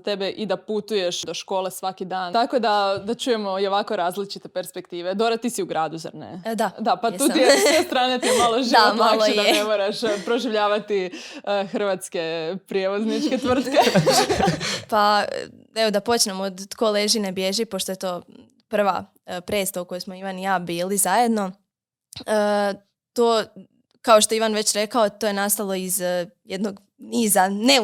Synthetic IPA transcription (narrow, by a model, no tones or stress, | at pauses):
t̪ebeʔid̪aput̪uje̞ʃd̪oʃko̞ːlˠesʋakid̪aːnt̪ako̞d̪ad̪at͡ʃuːjemoioʋakoɾaːzlit͡ʃit̪epeɾspekt̪iːʋed̪oɾat̪isiuɡɾaːd̪uza̰ɾnḛd̪ad̪apauːt̪ij̪est̪ɾaːnit̪imalˠoʒiotmmaaklˠoejd̪aenemoɾaʃpɾoʒiʋʎaːʋat̪ixr̩ʋat̪ske̞pɾijeʋo̞znit͡ʃket̪ʋr̩t̪ke | pa | e̞od̪apo̞t͡ʃnemod̪ko̞leʒinebje̞ʒipo̞ʃt̪oje̞t̪o̞ː | pr̩ʋa̰ | pɾesauko̞josmoiʋanjaːbiːlizaje̞d̪no̞ | ə | t̪oː | kao̞ʃt̪oiʋanʋe̞t͡ɕɾe̞kaot̪oːje̞nast̪alˠo̞izjed̪noɡ | niːzane